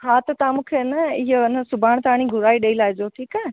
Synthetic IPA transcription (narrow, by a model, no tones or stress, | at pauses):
ɦaːt̪ət̪aːmũkʰenəɪɦnəsʊbʱaːɽ̃t̪aːɽ̃iɡʱʊɾaːiɗɐilaːɦɪd͡ʑoʈʰiːkã